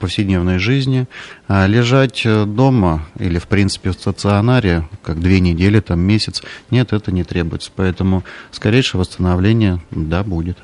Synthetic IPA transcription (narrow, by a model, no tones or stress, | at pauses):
pəfsʲɪdʲnʲe̞vnəjʐɨzʲnʲɪalʲɪʐatʲd̪o̞məḭlʲɪfpɾʲint̪sɨ̥pʲɪfst̪ət̪sɨɐnaɾʲɪkaɡ̚d̪vʲenʲɪdʲelʲɪt̪amːʲesʲɪt̪snʲe̞t̪ɛt̪ənʲɪt̪ɾʲebʊjɪt̪sə̥pɐɛt̪əmʊfskɐɾʲejʂɨjəvəst̪ənɐvlʲenʲɪjəd̪abudʲɪt̪